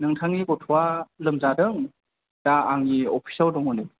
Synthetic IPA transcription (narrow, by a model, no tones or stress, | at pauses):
nɯŋtʰaŋiɡɔtʰualɯmzadɯŋ | d̥aaŋiɔpʰi̥sawdɔŋɔnɯ